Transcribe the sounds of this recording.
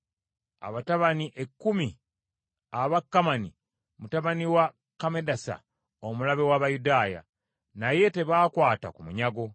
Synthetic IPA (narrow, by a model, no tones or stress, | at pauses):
a̰βataβaniʔe̞kːumi | aβakːamani | mutaβaniwa | kamedasa̰ | omulaβe̞waβajudaːja̰ | naje̞te̞βaːkwaːta̰kumuɲaɡo̞